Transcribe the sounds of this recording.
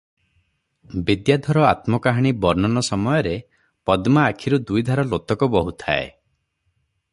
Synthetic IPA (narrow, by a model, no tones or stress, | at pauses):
bid̪jad̪ʱɔɾɔat̪mɔkaɦaɽ̃ibɔɾnɔnɔsɔmɔjɔɾe | pɔd̪maːkʰiɾud̪ujd̪ʱaɾɔlot̪ɔkɔbɔɦut̪ʰa̰ḛ